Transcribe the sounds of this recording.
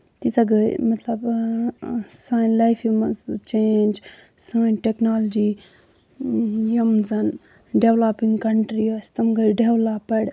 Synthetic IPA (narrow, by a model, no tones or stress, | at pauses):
t̪isaɡəjmɐt̪lɐb | saːjnlajpʰimɐzt͡ʃend͡ʒ | saːjnʈeknaːld͡ʒi | jɐmzɐn | ɖeʋlapiŋɡkɐɳʈɾiost̪ɐmɡəjɖeʋlaːpɐɽ